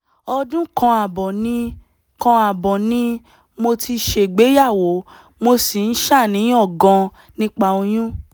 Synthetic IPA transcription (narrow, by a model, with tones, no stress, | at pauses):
ɔ˧dũ˦kã˧a˨bɔ˨nĩ˧ | kã˧a˨bɔ˨nĩ˧˦ | mo˧tʰi˧ʃe˨ɡ͡be˨˦ja˦˨wo˨˦ | mo˧si˨n̩˦ʃa˦˨nĩ˨˦ɔ˦˨ɡã˧ | nĩ˦k͡pa˧o˧j̃ũ˦